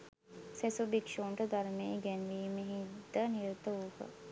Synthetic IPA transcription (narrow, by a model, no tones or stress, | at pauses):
sɛsobikʃoːɳʈəd̪aɾmeːɡɛnʋiːməɦid̪əniɾt̪əukə̰